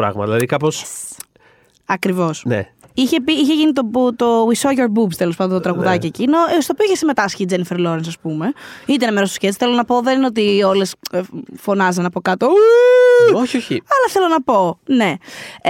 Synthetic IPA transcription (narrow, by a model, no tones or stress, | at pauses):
ɾɐ̰ɣmɐ̰ðilɐðikɐpo̞s | ɐkɾivo̞snḛ | içe̞piiçeʝinit̪obut̪oisoʝoɾbupst̪elo̞spɐnd̪ot̪ot̪ɾɐɣuðɐciecinost̪oːpioiçesime̞t̪ɐsçid͡zenifeɾlo̞ɾens̬ɐspume̞it̪̬enɐmeɾost̪sçet͡sθelonɐpo̞ðe̞nineo̞t̪̬io̞le̞sfo̞nɐzɐnɐpo̞kɐt̪o | oçoçiɐlɐθe̞lonɐpo̞ne̞